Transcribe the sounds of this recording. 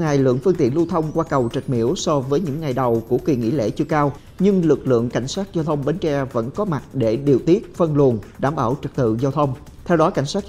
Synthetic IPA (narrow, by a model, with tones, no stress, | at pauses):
ŋa˨˩jlɨ̰˧˨əŋfɨ˧ŋt̪ḭ˧˨ənlu˧t̪ʰə˧wŋ͡mkwaː˧kə˨˩wt͡ɕə˨˩t̚mḭ˧˥əwsɔ˧vəː˨˦jɲɨ̰˧˥ŋːa˨˩jɗə˨˩wku˧˩əkwi˨˩ŋḭ˧˥lḛ˧˥t͡ɕɨ˧əkaː˧w | ɲɨ˧ŋlɨ˨˩k̚lɨ̰˧˨əŋka˧˩jŋ̟saː˦˥t̚zaː˧wt̪ʰə˧wŋ͡mɓe˨˦nt͡ɕɛ˧və̰˧˥nkɔ˨˦ma˨˩t̚ɗe˧˩ɗi˨˩əwt̪i˦˥ət̚fə˧nlu˨˩ənɗaː˧˩mɓaː˧˩wt͡ɕɨ˨˩k̚t̪ɨ̰˧˨zaː˧wt̪ʰə˧wŋ͡m | t̪ʰɛ˧wɗɔ˨˦ka˧˩jŋ̟saː˦˥k̚